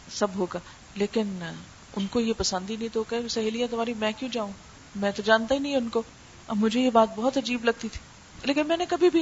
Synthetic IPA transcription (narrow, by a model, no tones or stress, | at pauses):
sɐbɦoːɡaː | leːkɪn | ʊnkojepɐsə̃nd̪inɐɦĩt̪oɦoːkasɐɦeːlijat̪ɐmaːɾimɛ̃ːkjũd͡ʒaːũ | mɛ̃ːt̪od͡ʒaːnt̪ainɐɦĩʊnko | ɐ̰bmʊd͡ʒʱejebaːt̪̚bɔɦɔt̪ɐd͡ʒiːblɐɡ̚t̪it̪ʰi̥ː | leːkɪnmɛːnekɐbʱibʱi